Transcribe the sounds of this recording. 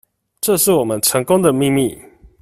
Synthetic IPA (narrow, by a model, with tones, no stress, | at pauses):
ʈ͡ʂɤ˥˧ʂɻ̩˥˩wɔ˨˩mə˦nʈ͡ʂʰə˧˦˥ŋkʊ˥ŋd̪ə˨mi˥˧mi˥˨